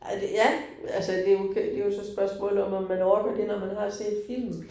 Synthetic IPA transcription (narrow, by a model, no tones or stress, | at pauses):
ʔæd̥jæ | ælsəd̥e̝jokʰd̥e̝jo̝sɒ̽sb̥ɶɐsmɔ̰ːlð̩ˠɒ̽mɒmːænɒːɐɡ̥ɐd̥e̝nɒmænɦɑ̈se̝̰ːd̥fil̰m